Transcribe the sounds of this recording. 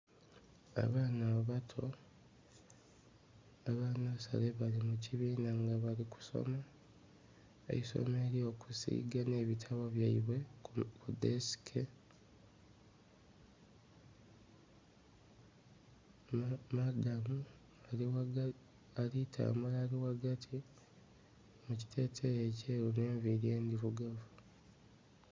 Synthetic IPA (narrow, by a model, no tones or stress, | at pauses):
a̰βaːnaoβatʰo̞ | aβaːnaβasa̰le̞βalimuciβiːnaŋɡaβaliku̥so̞̰ma | ḛiso̞̰me̞ːɾio̞kusḭːɡane̞ːβitʰaβo̞βjaiβwekudesi̥kʰe | madamu | a | alitʰa̰ːmulaːliwaɡatʰi | muci̥tʰe̞ːtʰejeceːɾune̞ːɱviɾje̞ːnd̪ivuɡavu